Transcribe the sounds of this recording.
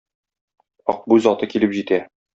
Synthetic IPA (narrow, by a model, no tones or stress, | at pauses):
ɒ̰q̚buzɒt̪ɤkilɘpʑit̪æ